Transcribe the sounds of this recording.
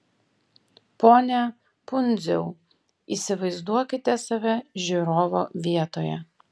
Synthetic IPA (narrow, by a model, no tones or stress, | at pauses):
poːnʲɛ | pʊnʲd̪zʲɛʊ | ḭːsʲɪʋɐɪzd̪uɔkʲɪt̪ʲɛsɐʋʲɛʒʲyɾoːʋoːʋʲiɛt̪oːjɛ̰